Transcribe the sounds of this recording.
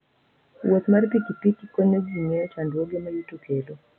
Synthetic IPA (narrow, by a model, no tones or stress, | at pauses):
wot̪marpikipikikoɲoɡiɲeɔt͡ʃandwoɡemajutukʰelo